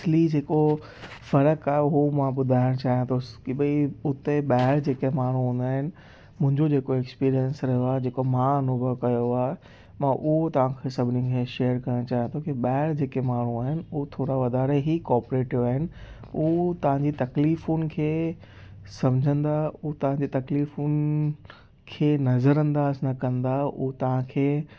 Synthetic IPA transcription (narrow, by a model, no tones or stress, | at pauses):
slid͡ʑeːko | fɐɾəkaːɦeuomãɓʊd̪ʱaːɪɽ̃t͡ɕaːɦijãt̪ʰokiɓɐiʊt̪eɓaːɪɾd͡ʑeːkemaːɽ̤ũɦũːn̆d̪aːɦɪnɪ̆ | mʊ̃ɦɪ̃ɲd͡ʑod͡ʑeːkoekspiːɾijənsɾɐɦijoaːed͡ʑeːkomãɐnʊbʱəkɐjoaːɦe | mãʔʊɦot̪ɐʋ̤ãkʰeːsɐbʱɪnikʰeːʃeːəɾkɐɾə̃ɽ̃t͡ɕaːɦijãt̪ʰokiɓaːɪɽd͡ʑeːkemaːɳ̤uaːɦɪnɪ̆ʊot̪ʰoːɾaʋɐd̪ʱaːɾeɦikɔːɾpɾeːʈɪʋaːɦɪnɪ̆ut̪ɐʋ̤ãɲd͡ʑit̪ɐkliːfunɪ̆kʰeː | sɐ̃md͡ʑʱə̃nd̪aut̪ɐʋ̤ãɲd͡ʑit̪ɐkliːfunɪ | kʰeːnɐzəɾə̃nd̪aːznɐkɐ̃nd̪aʊ̰ɦot̪ɐʋ̤ãkʰeː